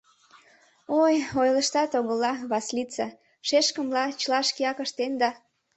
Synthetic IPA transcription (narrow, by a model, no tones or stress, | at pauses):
ojojləʃt̪ɑt̪oɣəlɑβɑslit͡se | ʃeʃkəmlɑt͡ɕlɑʃkiɑkəʃt̪end̪ɑ